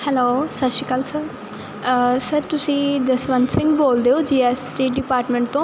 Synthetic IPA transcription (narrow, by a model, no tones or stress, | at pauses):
hɛloːsətʃiːkəlsəɾ | səɾt̪ʊsĩːd̪əsʋənsɪ̃ŋɡboːld̪eːoːd͡ʒiːɛsʈeːʈ̚ɖɪpaːɾʈmə̃ɳʈ̚t̪õː